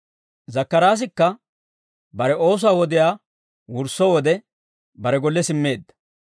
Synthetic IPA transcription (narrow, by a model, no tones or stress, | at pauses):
zɐkːɐɾaːs̬ɪkːɐ | bɐɾɛʔo̞ːs̬ʊwaːwɔd̪ɪjaː | wʊɾsɔwɔd̪ɛ | bɐɾɛɡɔlːɛsɪmːe̞ːd̪ːɐ̥